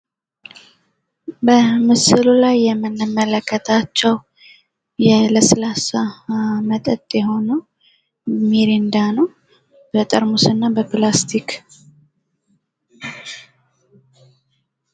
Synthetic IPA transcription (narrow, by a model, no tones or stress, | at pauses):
bəmɨsɨlulajːɛmːɨnːɨmːələkːət̪ʰat͡ʃːɛw | jɛləsəlasamət̪ʼət̪ʼjɛɦo̞nəw | miɾind̪anəw | bət̪ʼəɾmusɨnːabəplast̪ʰik